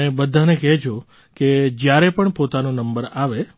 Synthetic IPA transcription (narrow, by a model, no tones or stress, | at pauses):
ebəd̪ʱanekɛd͡ʒʰo | ked͡ʒjaɾepəɳpot̪anonəmbəɾaʋe